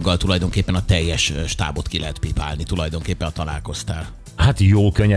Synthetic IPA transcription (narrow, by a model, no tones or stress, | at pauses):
ɡːɒlt̪ulɒjd̪o̞ŋkeːpːɛnɒt̪ɛjːɛʃʃt̪a̰ːbo̞t̪kilɛɦɛt̪pipa̰ːlnit̪ulɒjd̪o̞ŋkeːpːɛnt̪ɒlaːlko̞st̪aːl | hat̪joːlkøɲːɛ